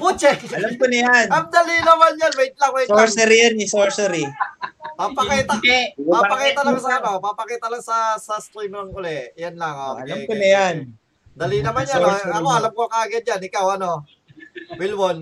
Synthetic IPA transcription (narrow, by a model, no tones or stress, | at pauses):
bʊt͡ʃɛkɐlamkonɐjanɐmd̪ɐlinɐmanjanwɛjt̪̚laŋmɐjsɾsɛɾijanɪsoɹsɛɾi | papɐkiːt̪apapɐkiːt̪ɐlaŋsɐɐnapapɐkiːt̪ɐlaŋsɐsɐst̪ɾimɪŋʊlɛjanlɐŋoɐamkonɐjan | d̪ɐlinɐmanjaɐkoɐlamkoŋkɐɡad̪̚d͡ʒanɪkawɐno̞ | wɪlbon